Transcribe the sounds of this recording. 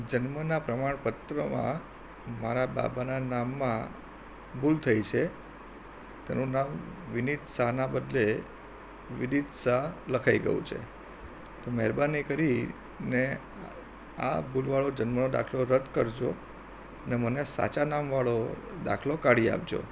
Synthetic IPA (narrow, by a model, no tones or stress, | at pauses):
d͡ʒənmənapɾəmaɳpət̪ɾəmã̰ | maɾaba̰bananamːã | bʱult̪ʰəjt͡ʃʰe | t̪ḛnũnamʋɪnid̪saɦnabəd̪le | ʋɪnit̪saləkʰaiɡə̰jṵ̃t͡ʃʰḛ | t̪omɛɾbanikəɾi | ne | a̰bʱulʋaɭod͡ʒənmənod̪a̰kʰloɾəd̪kəɾd͡ʒo̰ | ənemənesa̰t͡ʃanamʋaɭod̪a̰kʰlokaɽia̰p̚d͡ʒo̰